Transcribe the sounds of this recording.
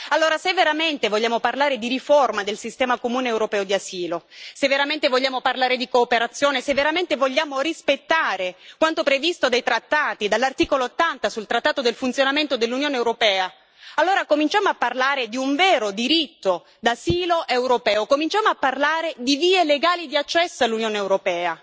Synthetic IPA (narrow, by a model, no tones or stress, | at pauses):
alːoːɾasevːeɾament̪evoʎːaːmoparlaːɾed̪iɾiformad̪elsist̪ɛːmakomuːneːwɾopɛːod̪iasiːlosevːeɾament̪evoʎːaːmoparlaːɾed̪ikoːpeɾat̪sːjoːnesevːeɾament̪evoʎːaːmorispet̪ːaːɾekwant̪opɾevist̪od̪ejt̪ɾat̪ːaːt̪id̪alːart̪iːkoloot̪ːant̪asult̪ɾat̪ːaːt̪od̪elfunt̪sjonament̪od̪elːunjoːneːwɾopɛːa | alːoːɾakomint͡ʃaːmoapːarlaːɾed̪iuɱvɛːɾod̪iɾit̪ːo | d̪asiːloʔewɾopɛːokomint͡ʃaːmoapːarlaːɾed̪iviːeleɡaːlid̪iat͡ʃːɛsːoalːunjoːneewɾopɛːa